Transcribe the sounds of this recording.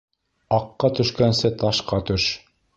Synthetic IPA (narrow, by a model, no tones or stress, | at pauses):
ɑqːɑt̪ɵ̆ʃkænsɘt̪ɑʃqɑt̪ɵʃ